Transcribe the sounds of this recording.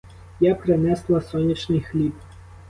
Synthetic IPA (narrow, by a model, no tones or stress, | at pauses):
japɾɪnɛslˠɐsɔnʲit͡ʃnɪjxlʲip